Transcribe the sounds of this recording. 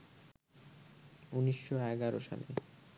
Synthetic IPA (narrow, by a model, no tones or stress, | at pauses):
uniʃːoɛɡaɾoʃa̰lḛ